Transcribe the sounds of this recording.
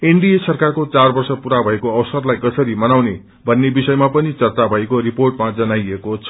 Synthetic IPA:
eɳɖiesʌrkarkot͡sarbʌrsʌpuɾabʱʌekoʌwsʌrlajɡʌsʌɾimʌnawne | bʱʌnːebisʌjmapʌnit͡sʌrt͡sabʱʌekoriporʈmad͡zʌnajekot͡sʰ

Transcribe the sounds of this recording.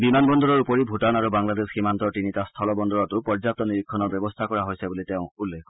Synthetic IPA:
bimanbɔnd̪ɔɾɔɹupɔɾibʱutanaɾubaŋlad̪esximant̪ɔʈinitast̪ʰɔlɔbɔnd̪ɔɾɔt̪upɔɹd͡ʒap̚t̪ɔniɾikʰːɔnɔɾbjɔbɔst̪ʰakɔɹaɦojsabulit̪ew̃ulːekʰɔ

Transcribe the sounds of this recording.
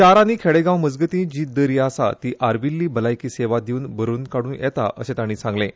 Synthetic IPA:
t͡ɕaɾaniːkʰeɽeɡãwməd͡zɡət̪ĩd͡ʑiːd̪əɾiasa̰t̪iːʔaɾbilːiːbəlajkiːseʋad̪euːnbəɾuːnkaɽuːnjɛ̰t̪a̰ʔə̰sẽt̪aɽ̃iːsãŋɡlẽ

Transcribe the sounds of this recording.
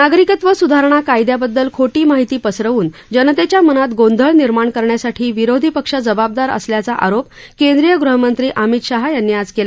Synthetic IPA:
naɡɾikət̪ʋəsud̪ʱaɾɳ̃akajd̪jabəd̪ːəlkʰoʈiːmaɦit̪iːpəsɾəʋuːnd͡ʑənət̪et͡ɕjamənat̪ɡond̪ʱəɭniɾmaɳkəɾɳjasaʈʰiːʋiɾod̪ʱipəkʂəd͡zəbab̚d̪aɾə̰sljat͡saʔa̰ɾop̚kend̪ɾijəɡɾuɦəmənt̪ɾiːʔamit̪ɕaɦajanːiːad͡zkela

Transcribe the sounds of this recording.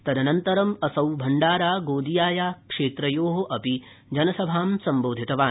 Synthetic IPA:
t̪ɐd̪ɐnɐnt̪ɐɾɐmɐsɐwbʱɐɳɖaːɾaːɡoːd̪ijaːjaːkʂeːt̪ɾɐjoːɦoʔɐpi | d͡ʒɐnɐsɐbʱaːmsɐmboːd̪ʱit̪ɐʋaːn

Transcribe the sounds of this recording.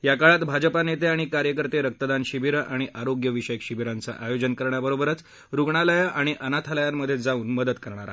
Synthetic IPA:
jakaɭat̪bʱad͡ʑəpanet̪eaɽ̃ikaɾjəkəɾt̪eɾək̚t̪əd̪anɕiʋiɾaɽ̃iʔaɾoɡjəʋiɕəjəkɕiʋiɾant͡sa̰ʔajod͡ʑənkəɾɳjabəɾobəɾət͡s | ɾuɡɳaləjaʔaɽ̃iʔənat̪ʰaləjanməd̪ʱːjed͡zauːnməd̪ət̪kəɾɳ̃aɾa̰

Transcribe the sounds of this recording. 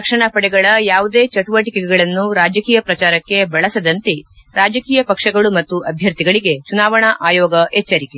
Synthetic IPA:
ɐkʂɐɳɐpɐɽɛɡɐɭɐjaːʋud̪e̞ːt͡ʃɐʈuʋɐʈikɛɡɛɡɐɭɐnːuɾaːd͡ʒɐkiːjɐpɾɐt͡ʃaːɾɐkːe̞bɐɭɐsɐd̪ɐnt̪eɾaːd͡ʒɐkiːjɐpɐkʂɐɡɐɭumɐt̪ːuʔɐbʱjɐɾt̪iɡɐɭiɡe̞t͡ʃunaːʋɐɳɐʔaːjɔːɡɐɛt͡ʃːɐɾike

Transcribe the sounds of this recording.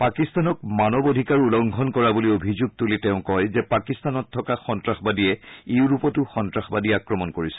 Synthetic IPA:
pakistanɔk̚manɔbodʱikaɹulɔŋɡʱɔnkɔɹabuliobʱizuɡ̚tulitɛʊ̃kɔjzɛpakistanɔtʰːɔkaxɔntɹaxbadiɛeuɹupɔtuxɔntɹaxbadiakɹɔmɔnkoɹisɛ̥

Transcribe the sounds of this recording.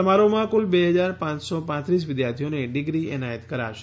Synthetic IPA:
əmaɾomãkulbeɦəd͡ʒaɾpãt͡ʃsɔpãt̪ɾis̬ʋɪd̪jaɾt̪ʰijoneɖɪɡɾiɛ̰najət̪kəɾa̰ʃ

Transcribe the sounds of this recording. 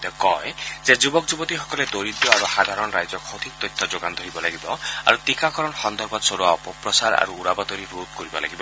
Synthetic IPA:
t̪ɔkɔezed͡ʒubɔkd͡ʒubɔt̪iɦɔkɔled̪oɾid̪jɔabɔhad̪ʱaɾɔnɔɾajd͡ʒɔkhod̪ʱik̚t̪ɔjt̪ʰːɔd͡ʒoɡand̪ʱɔɾibɔlaɡibɔa̰ɾut̪ikakɔɾɔnɔxɔnd̪ɔɾbɔd̪ɔsɔɾuaɔpɔpɾɔsaɾa̰ɾuːɾabɔd̪ɔɾiɾud̪̚kɔɾibɔla̰ɡibɔ

